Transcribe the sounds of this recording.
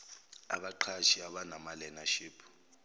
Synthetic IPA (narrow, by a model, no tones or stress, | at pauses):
a̰ɓaǃʰaʃiaɓanamalɛnaʃiːpʰu̥